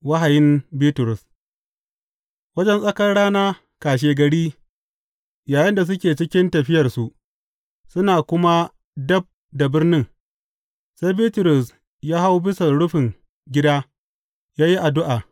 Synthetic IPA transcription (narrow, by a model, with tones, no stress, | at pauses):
wa˦ɦa˨jɪ˦mbiː˦tʊ˨ɾʊ˨s | wɐ˦d͡ʒɛ˦nsʼɐ˦kɐ˦rɽaː˦naː˦ | kaː˨ʃ̬eː˨ɡɐ˨ɽiː˦ | jaː˨jɪ˦nda˨s̬ʊ˦kʲeː˨t͡ʃɪ˦kʲɪ˦ntɐ˨ɸɪ˦jɐ˨rsu˨ʔ | sʊ˦naː˨kʷʊ˦ma˦ | dɐ˦b̚ | da˨bɪ˦rnɪ˦ŋ | sa˦jbiː˦tʊ˨ɾʊ˨s | jaː˦ɦa˦wbɪ˦sɐ˨ɽʊ˦ɸɪ˨ŋ | ɡʲɪ˦daː˦ | jaː˦ji˦ʔa˨dʊ˦ʔaː˨